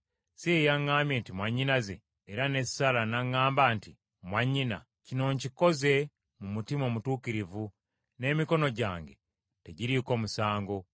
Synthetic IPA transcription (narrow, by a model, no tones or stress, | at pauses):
siejaŋːaːmje̞ntimwaɲːinazḛː | ɾane̞ssalanaŋːaːmbanti | mwaɲːina̰ | cino̞ɲciko̞ze̞ | mumutimo̞ːmutuːkiɾivu | ne̞miko̞no̞ɟaːŋɡe̞̰ | te̞ɟiɾiːko̞ːmusaːŋɡo̞